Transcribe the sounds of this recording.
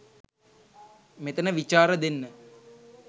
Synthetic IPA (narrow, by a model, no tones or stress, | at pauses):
met̪ənəʋit͡ʃaːɾəd̪enːə